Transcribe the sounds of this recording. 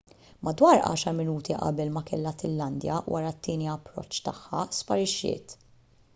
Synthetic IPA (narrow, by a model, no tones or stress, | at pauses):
mɐd̪wɐːɾʔɐ̰ːʃɐɾmɪnuːt̪iʔɐ̰bɛlmɐkɛlːɐtɪlːɐnd̪jɐ̰wʔɐɾɐt̪ːɪːniɐpːɾɔ̰t͡ʃːt̪ɐħːɐspɐɾɪʃːɪ̰ːt̪